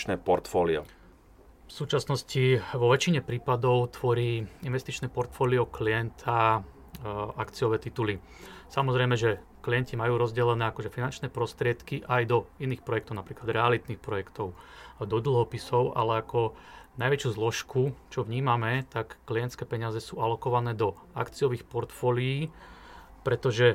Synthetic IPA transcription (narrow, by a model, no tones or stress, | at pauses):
t͡ʃnɛpɔɾt̪fɔːliɔ̰ | fsuːt͡ʃasnɔsciʋɔʋɛt͡ʃiɲɛpɾiːpad̪ɔʊt̪ʋɔɾiːinʋɛst̪it͡ʃnɛːpɔɾt̪fɔːliɔkliɛnt̪ʰa | akt͡siɔʋɛːt̪it̪uli | samɔzɾɛɪjmɛʒɛ | klijɛncimajuːɾɔzɟɛlɛnɛːakɔʒɛfinant͡ʃnɛːpɾɔst̪ɾɪɛt̪kiʔajd̪ɔiniːxpɾɔjɛkt̪ɔʊnapɾiːklad̪ɾɛalit̪niːxpɾɔjɛkt̪ɔʊd̪ɔd̪l̩ˠɦɔpisɔʊʔa̰lɛakɔnajʋɛt͡ʃuːzlɔʃkut͡ʃɔʋɲiːmamɛt̪akːliɛnt̪skɛːpɛɲɪazɛsuːalɔkɔʋanɛːd̪ɔ | a̰kt͡siɔʋiːxpɔɾt̪fɔːlijiː | pɾɛt̪ɔʒɛ